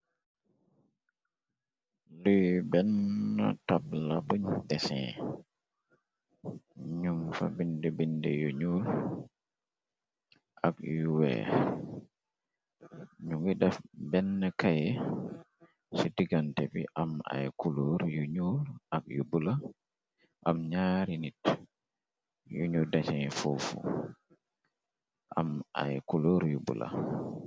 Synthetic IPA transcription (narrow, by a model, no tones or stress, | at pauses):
lujbɛnːa̰tab̚labuɲdɛsɛ̰̃ | ɲumfa̰bindɛbindɛjuɲul | ʔakjuwɛ̰ | ɲuŋɡidɛfbɛnːakajɛ | sidiɡantɛbḭʔama̰jkuloɾjuɲulakjubula | ʔamɲaːɾinit | juɲudat͡ʃɛnfufṵ | ʔa̰ma̰jkuloɾjubṵla̰